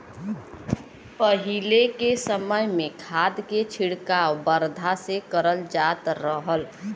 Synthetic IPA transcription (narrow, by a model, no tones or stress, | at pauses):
pəɦilekesəməjmẽkʰaːd̪ket͡ʃʰiɽkawbəɾd̪ʱasekəɾəld͡ʒat̪ɾəɦəl